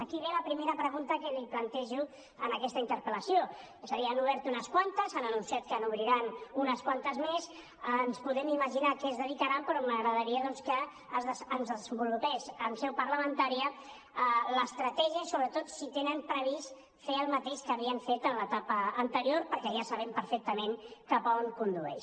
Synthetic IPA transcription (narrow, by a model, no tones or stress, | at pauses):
əkiβ̞eləpɾimeɾəpɾəɣunt̪əkəliplənt̪ɛʒu | ənəkɛst̪əint̪əɾpələsijo | esəðianuβɛɾt̪unəskwant̪əzanənunsiat̪̚kənuβɾiɾanunəskwant̪əzmes | nspuðɛmiməʒinakɛəzðəðikaɾampɾɔməɣɾəðəɾiəðɔnskəː | zðəənzðəzəmbulupɛsənsɛwpəɾləmənt̪aɾiə | ələst̪ɾət̪ɛʒiəsoβɾət̪ot̪sit̪enəmpɾəβis | feəlˠmət̪eʃkəəβiəɱfet̪ənlət̪apəːnt̪əɾioɾpəɾkɛʒasəβɛmpəɾfɛk̚t̪əmenkapəoŋkund̪uɛ̰ʃ